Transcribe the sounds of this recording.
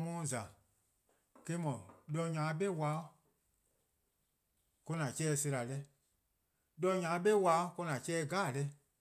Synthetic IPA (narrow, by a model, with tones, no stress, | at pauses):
mɔ̃ː˦˨za˨ | ke˦mɔ̃˨ɗɔ˧ɲã˨˦ɓe˦wa˨˦ | ko˧nã˨t͡ʃɛː˦˨se˧ɾa˨lɛ˧ | dɔ˧ɲã˨˦ɓe˦wa˧˦ko˧nã˨t͡ʃɛː˦˧˦ɡaː˦˨lɛ˧˦